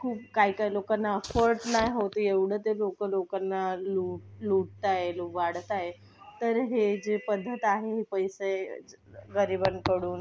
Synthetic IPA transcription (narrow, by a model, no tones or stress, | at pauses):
kʰuːpkaikailokanːaəfəɾʈnajɦot̪əeʋɽ̤əːt̪elokəlokanːaluʈluʈ̚t̪ajeluʋaɽt̪aje | t̪əɾɦed͡ʑepəd̪ʱːət̪aɦeɦipəjse | ɡəɾibənkəɽuːn